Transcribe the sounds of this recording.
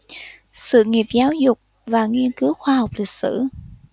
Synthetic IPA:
sɨ̰˧˨ŋi˨˩əp̚zaː˨˦wzʊ˨˩k͡p̚ | vaː˨˩ŋi˧ənkɨ˨˦wxwaː˧ha˨˩wk͡p̚lï˨˩k̟̚sɨ̰˧˥

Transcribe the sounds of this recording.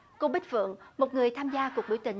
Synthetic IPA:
ko˧ɓi˦˥t̚vɨ̰˧˨əŋmo˨˩t̚ŋɨ˨˩əjt̪ʰaː˧mzaː˧ku˨˩ək̚ɓi˨˦wt̪ï˨˩ŋ̟

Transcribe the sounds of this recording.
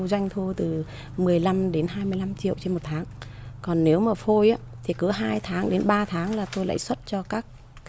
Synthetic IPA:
za˧jŋt̪ʰu˧ət̪ɨ˨˩ | mɨ˨˩əjla˧mɗe˨˦nɦaː˧jmɨ˧əjla˧mt͡ɕḭ˧˨əwt͡ɕe˧nmo˨˩t̚t̪ʰaː˨˦ŋkɔ˨˩nːe˨˦wmaː˨˩fo˧jʔaː˦t̪ʰi˨˩kɨ˨˦ɦaː˧jt̪ʰaː˨˦ŋɗe˨˦nɓaː˧t̪ʰaː˨˦ŋlaː˨˩t̪o˧jla̰ː˧˨jswə˦˥t̚t͡ɕɔ˧kaː˦˥k̚ː

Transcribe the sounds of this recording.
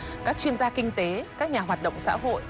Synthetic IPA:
kaː˦˥k̚t͡ɕwi˧ənzaː˧kï˧ŋ̟t̪e˨˦kaː˦˥k̚ɲaː˨˩ɦwaː˨˩t̚ɗə̰˧˨wŋ͡msa̰ː˧˥ɦo̰˧˨j

